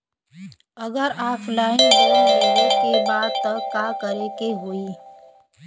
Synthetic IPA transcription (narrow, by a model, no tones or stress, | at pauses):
ɐɡəɾaːpʰlaːindoːiɦekebaːd̪̚t̪ɐkːaːkəɾekeɦoi